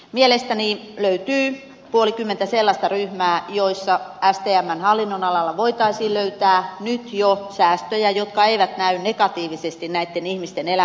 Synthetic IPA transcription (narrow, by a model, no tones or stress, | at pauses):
mielest̪æniløyt̪yː | puolikymːent̪æselːɑst̪ɑryhmæːjoisːɑæst̪eːæmːænhɑlːinːonɑlɑlːɑʋoit̪ɑisiːløyt̪æːnyt̪josæːst̪øjæjot̪kɑeiʋæt̪næynnekɑt̪iːʋisest̪innæit̪ːenihmist̪enelæ